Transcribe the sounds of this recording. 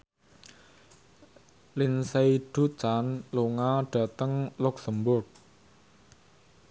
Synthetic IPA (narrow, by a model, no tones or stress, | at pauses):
linsejɖ̥ṳt͡ʃanloŋaɖ̥a̤t̪əŋluksəmbʊrk̚